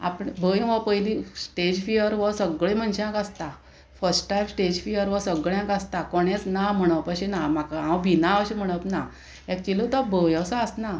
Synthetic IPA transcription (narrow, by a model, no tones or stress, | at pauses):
a̰pɽbəjʋəpəjlĩsʈed͡ʑfijəɾʋəsəɡɭẽm̤əɳɕãkast̪a | fəɾsʈʈajmsʈed͡ʑfijəɾʋəsəɡɭjãkast̪akɔɽjẽt͡snam̤əɽ̃əpəɕenamakaãwbʱinaəɕem̤əɽ̃əpna | ɛk̚t͡ɕilət̪ɔbəjəsaəsna